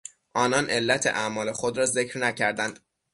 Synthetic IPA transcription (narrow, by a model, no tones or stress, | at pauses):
ʔɒːnɒːnʔe̞lːæt̪ʰḛʔæmɒːle̞xod̪ɾɒːze̞cʰɾnæcʰæɾd̪ænd̪̥